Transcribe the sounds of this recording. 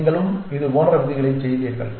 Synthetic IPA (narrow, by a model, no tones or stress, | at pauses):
ŋɡɐɭɯmɪðɯoːnɐɾɐʋɪðɪɣɐɭɐɪt͡ʃɛjðiːɾɣɐ̰ɭ